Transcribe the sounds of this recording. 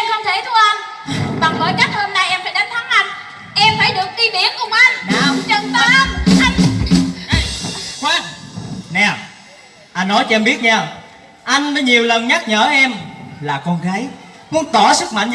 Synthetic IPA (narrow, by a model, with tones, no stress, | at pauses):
mkʰə˧wŋ͡mt̪ʰe˧˩t̪ʰu˧ʔa˧n | ɓa˨˩ŋlo̰˨˦jka˦˥t̚ho˧mna˨˩jʔɛ˧mfaː˧˦jɗa˨˦nt̪ʰa˨˦nʔa˧jŋ̟ | ʔɛ˧mfaː˧˩˦jɗɨ˨˩ək̚ki˧ɓi˧˨˦ənkʊ˨˩ŋ͡mʔa˧jn˧ŋ͡mt͡ɕə˧ŋt̪aː˧˨˦ʔa˧jŋ | xwaː˧˩n̚nɛ˨˩ | ʔa˧jnːɔ˨˦jt͡ɕɔ˧ɛ˧mɓi˦˥ət̚ɲaː˧˩ | ʔa˧jŋ̟vəː˨˦ɲi˨˩əwlə˨˩nɲa˦˥t̚ɲəː˧˩ʔɛ˧mlaː˨˩kɔ˧nɣaː˨˦j | kʊ̰˧˦ŋ͡mt̪ɔ˧˩sɨ˦˥k̚ma̰˧˨jŋ